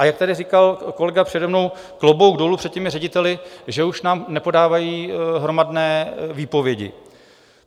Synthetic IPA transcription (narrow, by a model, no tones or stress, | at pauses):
ʔajak̚t̪adɪrikalko̞lɛɡapr̥ɛdɛmno̞w | klobowɡdolupr̥ɛt̪̚cɛmɪrɛɟɪt̪ɛlɪʒɛuʃnaːmnɛpo̞daːvajiːɦɾo̞madnɛːviːpo̞vjɛɟɪ̰